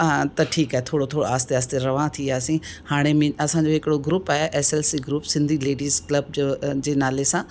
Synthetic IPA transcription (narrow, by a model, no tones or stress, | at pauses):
at̪ɐʈʰiːkaːɦet̪ʰoːɽot̪ʰoːɽo̰aːst̪eaːst̪eɾɐʋãːt̪ʰiaːsĩhaːɽ̃emẽɐsãɲd͡ʑoɦɪkɪɽoɡɾuːpaːɦeʔɛːselsiɡɾuːpsɪ̃nd̪ʱileːɖiːzklɐb̚d͡ʑod͡ʑeːnaːlesãː